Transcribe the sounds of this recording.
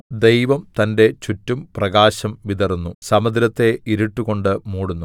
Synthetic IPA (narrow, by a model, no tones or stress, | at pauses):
d̪e̞jʋɐmt̪ɐnde̞t͡ɕutːumprɐɡaːɕɐmʋid̪ɐrnːusɐmɐd̪ɾɐt̪ːe̞ʔiɾiʈːuɣo̞ɳɖɨmuːɽunːu